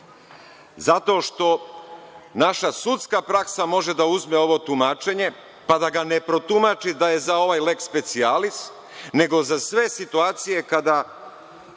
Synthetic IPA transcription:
zat̪o̞ʃt̪o̞ | naʃasut̪skapɾaksamo̞ʒe̞d̪auzmeo̞ʋo̞t̪umaːt͡ʃe̞ɲe̞ | pad̪aɡanepɾo̞t̪umat͡ʃid̪aje̞zao̞ʋajle̞kspe̞t̪sialist̪ | ne̞ɡo̞zasʋe̞sit̪uaːt̪sije̞kad̪a

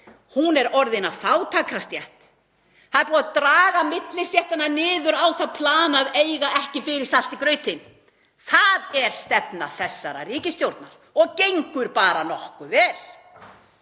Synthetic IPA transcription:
hunɛɾɔɾðɪnafaːwt̪ʰaːkɾast̪jɛht̪ | θaðɛɾpuːaðt̪ɾaːɣamɪt̪lɪst̪jɛht̪ananɪːðʏɾawθaðpʰlaːnaðejɣaɛhcɪfɪɾɪɾ̥sal̥t̪ikɾœːɥt̪ɪn | θaðɛɾ̥st̪ɛpnaθɛsːaɾa̰riːcɪst̪jowɾt̪naɾ̥ | ɔɣcejŋkʏɾpaːɾanɔhkʏvɛːl̥

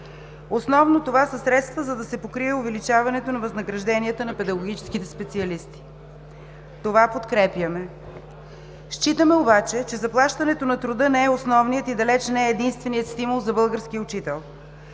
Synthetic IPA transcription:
osnɔvnot̪ovasɐsɾɛt̪st̪vəzɐd̪ɐsɛpokɾiɛovɛlit͡ʃavɐnɛt̪onɐvɐznɐɡɾɐʒd̪ɛniət̪ənɐpɛd̪ɐɡoɡ̟it͡ʃɛ̥skit̪ɛspɛt̪siɐlist̪i̥ | t̪ovapot̪kɾɛpjəmɛ | ʃt͡ʃit̪əmɛobat͡ʃɛt͡ʃɛzɐplˠaʃt̪ɐnɛt̪onɐt̪ɾʊd̪ɤnɛːɛosnɔvnijət̪id̪ɐlɛt͡ʃnɛɛːd̪inst̪vɛnijət̪st̪imʊlˠzɐbɤlˠɡəɾsk̟iʊt͡ʃit̪ɛlˠ

